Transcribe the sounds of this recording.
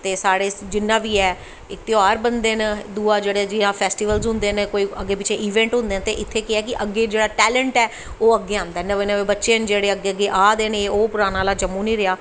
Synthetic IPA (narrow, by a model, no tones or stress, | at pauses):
t̪eːsaːɽeːd͡ʒɪnːãːʋiːɛː | ɪk̚t̪ɪoaːɾbənd̪eːnd̪uːaːd͡ʒeːɽed͡ʒɪãːpʰɛːsʈiːʋəlzɦʊ̃nd̪eːnkoːiːəɡːeːp̬ɪt͡ʃʰeːʔiːʋɛ̃ːɳʈɦʊ̃nd̪eːnt̪eːʔɪt̪ʰːeːkɪɛːkɪʔəɡːeːd͡ʒeːɽaːʈɛːlə̃ɳʈɛː | oːəɡːeːãːnd̪aːnəʋenəʋeːbətːʃẽːnd͡ʒeːɽeːəɡːeːəɡːeːʔaːd̪eːnẽːoːpʊɾaːnãːlaːd͡ʒəmːuːnĩːɾɪaː